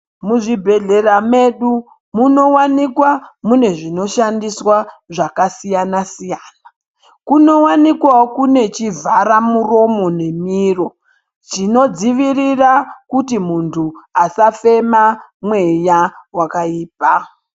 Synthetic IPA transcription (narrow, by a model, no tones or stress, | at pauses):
muʐibʱe̞ɮe̞rame̞ɗu | muno̞wanikwamune̞ʐino̞ʃandiswaʐakasijanasijaːna | kuno̞wanikwaokune̞t͡ʃivʱaɾamuro̞mo̞ne̞miro̞ | t͡ʃino̞d͡ziʋirirakutimuntʰuasafe̞mamwe̞jawakaiːpa